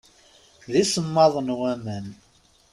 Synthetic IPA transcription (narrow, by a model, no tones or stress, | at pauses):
ðisəmːɑðˤnwæmən